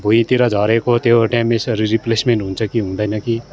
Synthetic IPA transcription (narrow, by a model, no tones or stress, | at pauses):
bʱuĩt̪iɾad͡ʒaːɾekot̪eoʈɛmːẽsɐɾiɾiplesmẽɳʈɦũnt͡ʃʰakiɦũːnd̪anaki